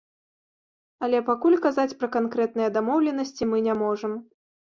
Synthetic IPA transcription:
ɐlʲɛpakulʲkazat͡sʲpɾɐkankɾɛt̪̚nɨjɐd̪amɔwlʲɛnɐsʲt͡sʲimɨnʲamɔʐɐm

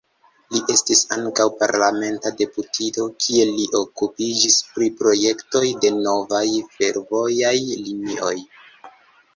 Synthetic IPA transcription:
liʔe̞stisaŋkawpaɾlame̞ntade̞putʰito̞kʰie̞liʔo̞kupid͡ʒispɾipɾo̞je̞kto̞jde̞no̞vajfe̞ɾvo̞jajlinio̞j

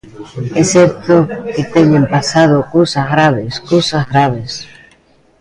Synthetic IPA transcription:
ɛsɛɾt̪oket̪eɲẽmpasað̞okosazɣɾaβ̞eskosazɣɾaβ̞es

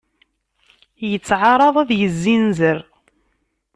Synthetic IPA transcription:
jət͡sːʕɑɾˤɑðˤæðjəzːinzəɾ

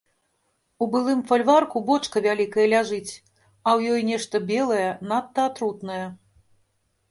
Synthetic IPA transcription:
ubɨlˠɨmfalʲvarkubɔt͡ʂkɐvʲalʲikɐjɐlʲaʐɨt͡sʲ | ɐwjɔjnʲɛʂt̪ɐbʲɛlˠɐjɛnat̪ːɐːt̪ɾut̪nɐjɛ

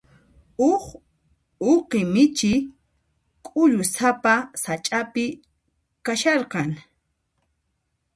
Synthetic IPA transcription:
ʊχ | oqɪmɪt͡ʃɪ | kʼʊʎʊsapasat͡ʃʼapɪ | kaʃɑɾqɑŋ

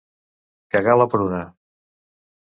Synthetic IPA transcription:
kaɣalapɾuna

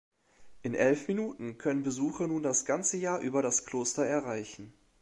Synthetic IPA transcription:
ʔɪnʔɛlfminuːtn̩kʰœnənbəzuːxɐnuːndasɡ̥ant͡səjaːɐʔyːbɐɾaskl̥oːstɐɛɐʁaɪçn̩

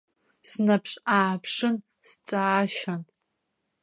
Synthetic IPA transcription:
snapʰʂʼaːpʰʂɨn | st͡sʼaːʃan

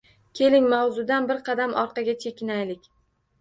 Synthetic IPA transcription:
kʲʰe̞lɪŋmawzʊd̪anbɪɾqɑd̪amʔɒɾqɑɡʲat͡ʃʰe̞kʲɪnajlɪkʲ

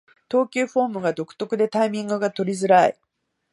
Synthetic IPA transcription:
t̪o̞ːkʲɨːɸo̞ːmɯ̟ɡad̪o̞kɯ̟̥t̪o̞kɯ̟d̪e̞t̪aimʲĩŋɡɯ̟ɡat̪o̞ɾʲizɨɾaḭ

